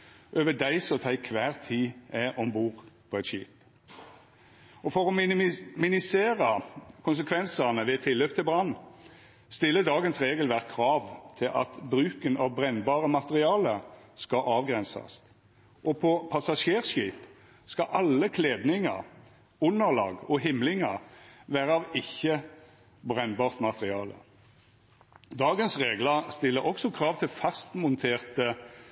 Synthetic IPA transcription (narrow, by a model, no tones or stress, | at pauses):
ʔøːʋəd̪æɪsɔt̪ʰæɪkʰʋæːʁt̪ʰiːɛʔɔmbuːʁpʰɔɛt̪ʃḭːp | ʔɔfɔʁɔmɪnɪseːʁəkʰʊns̬əkʰʋɛnsəʁnəʋɛt̪ʰɪlːøːpt̪ʰɪlbʁɑnː | st̪ɪlːəd̪ɑːɡənsʁeːɡəlʋæʁkʰʁɑːʋt̪ʰɪlʔɑ̰t̪bɾʉːkənɑʋbʁɛnːbɑːʁəmɑt̪əʁɪɑːləskɑʔɑːʋɡʁɛnsɑ̰st̪ | ʔɔpʰɔpʰɑsɑʂeːʁʂiːp | skɑʔɑlːəkʰleːd̪nɪŋə̰ʁ | ʊnːəʁlɑ̰ːɡɔɦɪmlɪŋəʁʋæːʁəɑʋɪçːə | bʁɛnbɑːʁt̪mɑt̪əʁɪɑːlə̰ | d̪ɑːɡənsʁeːɡləst̪ɪlːəʔɔksɔkʰʁɑːʋt̪ʰɪlfɑst̪mʊnt̪ʰeːʁt̪ə